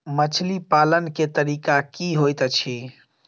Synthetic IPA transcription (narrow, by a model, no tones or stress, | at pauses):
mət͡ʃʰlipalənket̪əɾikakiɦojt̪t͡ʃʰi